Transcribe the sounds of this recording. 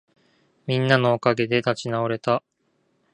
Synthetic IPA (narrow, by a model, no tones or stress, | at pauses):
mʲĩnːano̞ːkaɡe̞d̪e̞t̪at͡ɕinaoɾe̞t̪a